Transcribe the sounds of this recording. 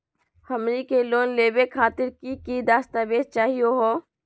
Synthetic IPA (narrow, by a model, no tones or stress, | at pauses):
həmɾikeloːnleːbekʰaːt̪ɪɾkikid̪aːst̪aʋeːd̪̚t͡ʃaːɦijoɦoː